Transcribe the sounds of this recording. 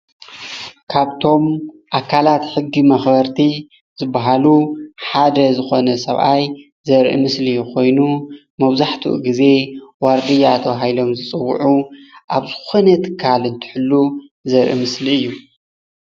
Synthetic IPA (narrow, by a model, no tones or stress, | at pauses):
kʰaβt̪ʰo̞m | ʔakʰːalat̪ħɨɡːimɐxbɐɾt̪ʰi | zɨbːaɦaluħad̪ɐzɨxo̞nɐsɐ̰βʔaj | zɐɾʔḭmɨslijukʰo̞jnu | mɐβzaħt̪ʰṵʔɡize̞waɾd̪ijat̪ʰoɦajlo̞mzɨt͡sʼɨwːʊ̰ʕuʔaβzɨxo̞nɐt̪ʰɨ̥kʰːalɨnt̪ʰɨ̥ħɨlːuzɐɾʔḭmɨsliɨjːu